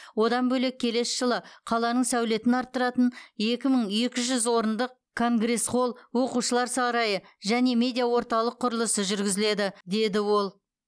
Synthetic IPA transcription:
wo̞d̪ɑnbɵle̞k̚ʲʰːe̞le̞sʒ̥əlˠəqʰɑlˠɑnəɴsæwle̞t̪ɪnɑɾt̪ːəɾɑt̪əne̞kʲɪməɴe̞kʲɪʒʏzwo̞ɾənd̪əq̚ | kʰo̞ŋɡre̞sχo̞lˠwo̞quʃəlˠɑɾsɑɾɑjəʒæne̞mʲe̞d̪ijawo̞ɾt̪ɑlˠəqʰːʊɾəlˠəsəʒʏɾɡʲɪzɪle̞d̪ɪd̪e̞d̪ɪwo̞lˠ

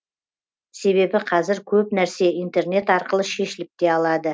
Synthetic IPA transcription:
se̞βe̞bɪqʰɑzɪɾkʲʰɵpnæɾse̞ijnt̪e̞rne̞t̪ɑɾqəlˠəʃe̞ʃɪlɪp̚t̪e̞ɑlˠɑd̪ə

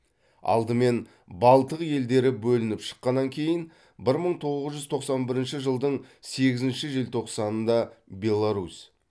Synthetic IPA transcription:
ɑ̰lˠd̪əme̞n | bɑlˠt̪əqje̞ld̪e̞ɾɪbɵlɪnɪpʃə̥qːɑnːɑŋkʲʰe̞jɪn | bɪɾməɴt̪ʰo̞ʁəzʒʏzt̪ʰo̞qsɑnbɪɾɪnʃɪʒəlˠd̪əɴse̞ɡʲɪzɪnʃɪʒelt̪ʰo̞qsɑnənd̪ɑbʲe̞lˠaɾus

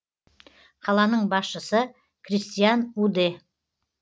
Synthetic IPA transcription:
qʰɑlˠɑnəɴbɑsʃəsə | kʰrist̪ijanud̪e

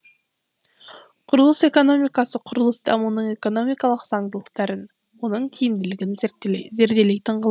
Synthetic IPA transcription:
qʰʊɾəlˠəse̞ko̞no̞mijkɑsəqʰʊɾəlˠəsd̪ʰɑmunəɴe̞ko̞no̞mijkɑlˠəqz̥ɑɴd̪əlˠəq̚t̪ɑɾən | wo̞nəɴkʲʰijɪmd̪ɪlɪɡʲɪnzeɾt̪ːze̞ɾd̪e̞lejt̪ʰəɴʁəlˠ

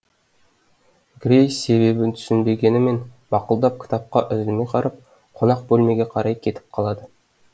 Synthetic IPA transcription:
ɡɾʲejse̞βe̞bɪnt̪ʰʏ̥sɪnbe̞ɡʲe̞nɪme̞nbɑqʊlˠd̪ɑp̚kʲʰɪ̥t̪ɑp̚qɑʔʏzɪlmejqʰɑɾɑp̚ | qʰo̞nɑq̚bɵlme̞ɡʲeqʰɑɾɑjkʲʰe̞t̪ʰɪ̥p̚qʰɑlˠɑd̪ə

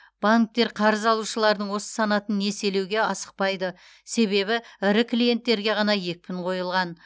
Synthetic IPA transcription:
b̥aŋk̚t̪e̞ɾqʰɑɾəzɑlˠuʃəlˠɑɾd̪əɴwo̞sə̥sɑnɑt̪ənːe̞se̞le̞wɡʲe̞ɑsə̥q̚pɑjd̪ə | se̞βe̞βɪɪɾɪklije̞nt̪ːe̞ɾɡʲe̞ʁɑnɑje̞k̚pɪɴqʰo̞jəlˠʁɑn

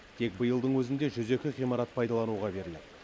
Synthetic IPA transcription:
t̪ʰe̞k̚bəjəlˠd̪əɴwɵzɪnd̪e̞ʒʏze̞kʲɪʁijmɑɾɑt̪̚pʰɑjd̪ɑlˠɑnuʁɑbe̞ɾɪlɪd̪ɪ

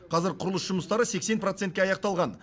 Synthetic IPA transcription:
qʰɑzɪɾqʰʊɾəlˠəsʒʊməst̪ɑɾəse̞kse̞npro̞t̪se̞nt̪̚kʲeɑjɑq̚t̪ɑlˠʁɑn

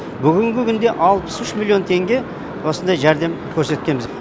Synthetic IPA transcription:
bʏɡʲɪŋɡʲɪkʲʰʏnd̪e̞ʔɑlˠpə̥sʏʃmilˠio̞nt̪ʰe̞ŋɡʲe̞ | wo̞sənd̪ɑjʒæɾd̪e̞mkʲʰɵɾse̞t̪̚kʲe̞nbɪz

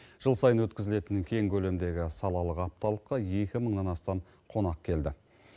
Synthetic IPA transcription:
ʒ̥əlˠsɑjənwɵt̪kʲɪzɪle̞t̪ɪnkʲʰe̞ŋkʲʰɵle̞md̪e̞ɡʲɪsɑlˠɑlˠəqɑp̚t̪ɑlˠəqːɑje̞kʲɪməɴnɑnɑst̪ɑm | qʰo̞nɑq̚kʲʰe̞ld̪ɪ

